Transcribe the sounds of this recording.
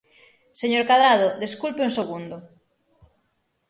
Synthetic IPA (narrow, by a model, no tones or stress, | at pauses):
seɲoɾkaðɾaðʊd̪eskulpeuŋseɣund̪o